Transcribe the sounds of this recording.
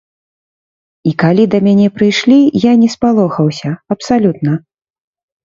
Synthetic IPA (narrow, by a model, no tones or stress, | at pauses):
ikalʲid̪ɐmʲanʲɛpɾɨjʂlʲijanʲɛspalˠɔxɐwsʲɐɐpsalʲut̪̚nɐ